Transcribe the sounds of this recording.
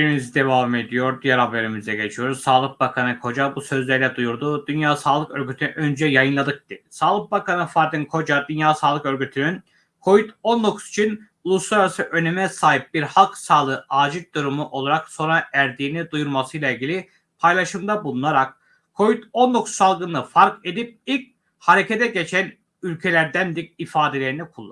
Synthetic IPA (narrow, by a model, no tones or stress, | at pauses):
beɾimizid̪e̞vame̞d̪ijo̞ɾd̪ijæɾhabe̞ɾimizɛɟe̞t͡ʃʰijo̞ɾuzsaːlˠɯk̚bakʰanɯkʰo̞d͡ʒabusø̞zlʲɛɾlʲɛd̪ujuɾd̪ud̪ynjaːsaːlˠɯkø̞ɾɡyt̪ʰynyʔø̞nd͡ʒɛjajɯnlˠad̪ɯk̚t̪ɯsaːlˠɯk̚bakʰanɯfaɾd̪ɯnkʰo̞d͡ʒad̪ynjaːsaːlˠɯkø̞ɾɟyt̪ʰynyn | kʰo̞vit̪ond̪o̞kʰu̥zi̥t͡ʃʰin | ulˠuslˠaɾasɯʔø̞nemɛsaːɦip̚biɾhalˠksaːlˠɯːʔaːd͡ʒit̪̚d̪uɾumuʔo̞lˠaɾakso̞nɾaʔæɾd̪iːnid̪ujuɾmasɯjlˠailʲɟʲilʲi | pʰajlˠaʃɯmd̪abulˠunaɾak̚ | kʰːo̞vit̪o̞nd̪o̞kʰu̥sːalˠɡɯnɯfaɾke̞d̪ip̚ilʲc̚ | haɾe̞cʰet̪ʰɛɟe̞t͡ʃʰæn | ylʲcʰe̞lʲæɾd̪ænd̪iɾifaːd̪e̞lʲe̞ɾinikʰulˠː